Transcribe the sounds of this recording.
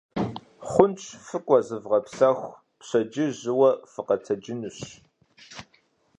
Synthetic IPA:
χʷʊnt͡ʃʰʼfɨkʷʼɔzɨvʁɐpsɐxʷ | pɕɐd͡ʒɪʑɨwɐfɨqɐtʰɐd͡ʒɪnuɕ

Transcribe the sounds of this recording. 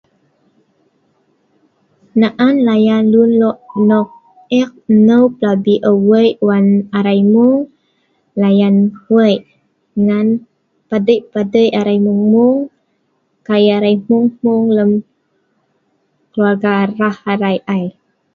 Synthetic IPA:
naʔanlajanlunlɔʔnɔk̚ | ɛk̚nəwplabiʔəwəjʔwanaɾajmuŋ | lajanhwəjʔ | ŋan | padəjpadəjaɾajmuŋmuŋ | kajaɾajmuŋmuŋləm | kəluarɡaɾahaɾajʔaj

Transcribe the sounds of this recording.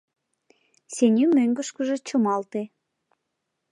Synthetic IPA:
senʲymøŋɡəʃkə̆ʒe̽t͡ɕəmɑlt̪e

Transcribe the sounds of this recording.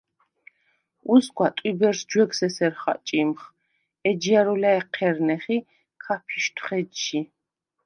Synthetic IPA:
uskʷʼat̪ʼwibɛɾsd͡ʒwɛɡsɛsɛɾχa̰t͡ʃʼimχ | ɛd͡ʒijaɾɔlaɛqʰɛɾnɛχi | kʰapʰiʃt̪ʰχɛdʃi

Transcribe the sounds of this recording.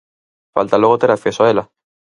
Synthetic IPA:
fa̰lt̪alwe̞ɣot̪eɾakθesoaela

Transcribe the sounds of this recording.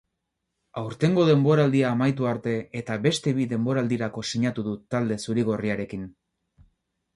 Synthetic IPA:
awɾt̪e̞ŋɡo̞ð̞e̞mbo̞ɾald̪iaːmajt̪uaɾt̪e̞et̪aβe̞st̪e̞βiðe̞mbo̞ɾald̪iɾako̞siɲat̪uðut̪ald̪e̞suɾiɣ̞o̞riaɾe̞kin

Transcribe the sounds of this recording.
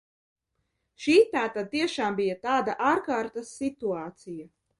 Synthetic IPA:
ʃiːt̪aːt̪ad̪̚t̪iɛʃaːmbijat̪aːd̪aʔaːɾkaːɾt̪ɐsːit̪uaːt̪sija

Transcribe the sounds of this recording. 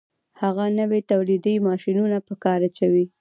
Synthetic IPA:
haɣanəwet̪awlid̪əjmɑʃinunapəkɑɾat͡ʃawi

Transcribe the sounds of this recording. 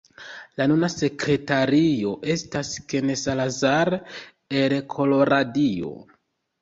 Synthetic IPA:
lanunase̞kɾe̞taɾio̞ʔe̞staske̞nesalazaɾ | elkʰo̞lo̞ɾadio̞̰

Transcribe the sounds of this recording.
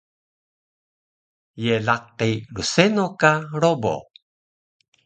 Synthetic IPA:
jeɮaqilusenokaɾobo̰

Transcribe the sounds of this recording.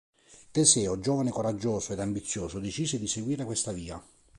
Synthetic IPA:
t̪esɛːod͡ʒoːvanekoɾad͡ʒːoːsoed̪ambit̪sːjoːsʊd̪et͡ʃiːsed̪iseɡwiːɾekwest̪aviːa

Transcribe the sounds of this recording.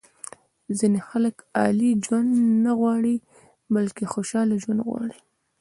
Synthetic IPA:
zinexaləkɑ̰lid͡ʒwand̪naɣwɑɽi | balkexoʃɑlad͡ʒwand̪ɣwɑ̰ɽi

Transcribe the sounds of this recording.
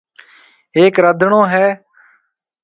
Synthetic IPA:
eːkɾəd̪ʱɳõːɦɛː

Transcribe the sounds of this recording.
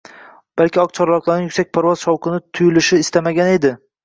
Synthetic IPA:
b̥alkʲɪɒq̚t͡ʃʰɒɾlˠɒqlˠaɾnɪjʊkʲsak̚ʲpʰaɾvɒz̥ʃɒwqʰɨnɪt̪ʰʊjɪlɪʃɪːst̪amaɡʲane̞d̪ɪ

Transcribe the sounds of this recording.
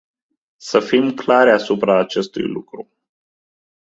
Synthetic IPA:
səfimklaɾʲasupɾaːt͡ʃe̞st̪ṵjlukɾu

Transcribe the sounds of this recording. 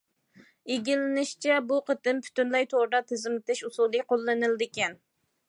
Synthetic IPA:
eɡʲilɪnɪʃt͡ʃʰɛbuqʰət̪ɪmpʰy̥t̪ynlɛjt̪ʰoɾɨd̪ɑt̪ʰɪzɪmɪt̪ɪʃusulˠijqʰolˠːɨnɨlˠd̪ɪkʲɛn

